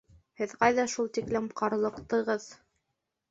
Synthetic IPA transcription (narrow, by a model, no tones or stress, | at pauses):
hɘðqɑjðɑʃulˠt̪iklɘmqɑɾlˠɤ̆qt̪ɤ̆ʁɤð